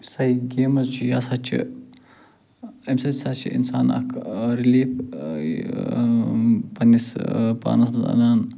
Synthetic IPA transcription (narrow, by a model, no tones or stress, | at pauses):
sɐjɡʲeːmɐzt͡ʃʰijaːsat͡ʃʰḭ | emsɐsat͡ʃʰḭḭnsaːnɐ̰kʰɾiliːp | pɐnispa̰ːnɐsmɐza̰naːn